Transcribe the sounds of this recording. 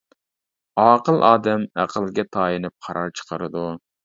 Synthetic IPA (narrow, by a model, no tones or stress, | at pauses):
ɑːqəlˠʔɑːd̪ɛmæ̰qʰəlˠɡʲɛt̪ʰɑːjinɨp̚qʰɑɾɑɾt͡ʃʰə̥qʰəɾɨd̪u